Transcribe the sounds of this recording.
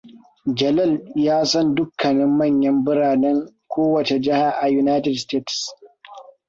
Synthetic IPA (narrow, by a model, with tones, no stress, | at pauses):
d͡ʒɐ˨lɐ˦˨ljaː˦sɐ˦ndʊ˦kːɐ˨nɪ˦mːɐ˦˨ɲjɐ˦mbʊ˦ɽaː˨nɛ˦ŋkʷoː˦wɐ˨t͡ʃe˨d͡ʒɪ˦ha˨ʔa˨ju˨naː˦jtɛ˨dsteː˦ts